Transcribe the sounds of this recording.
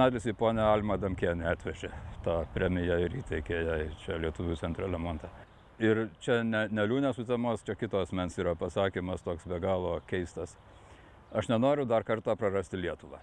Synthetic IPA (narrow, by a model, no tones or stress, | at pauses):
nɑːd̪ʲlʲɪsɪpoːnʲɛɐlʲmɐd̪ɐmʲkʲeːnʲɪɑːt̪ʲʋʲɛʒʲet̪ɑːpʲɾʲɛːmʲɪjɛɪɾiːt̪ʲɛɪkʲeːjɛɪt͡ʃʲɛlʲiɛt̪uʋʲut͡sʲɛnt̪ɾɐlʲɛmoːnt̪ɑ | ɪrt͡ʃʲɛnʲɛnʲɛlʲuːnʲɛsʊt̪ʲɛmoːst͡ʃʲɛkʲɪt̪oːɐsʲmʲɛnsiːɾɐpɐsɑːkʲiːmɐst̪oːksbʲɛɡɑːlˠoːkʲɛɪst̪ɐs | ɐʃnʲɛnoːɾʲʊd̪ɐrkɐrt̪ɑːpɾɐrɐsʲt̪ʲɪlʲiɛt̪ʊʋɑ̰ː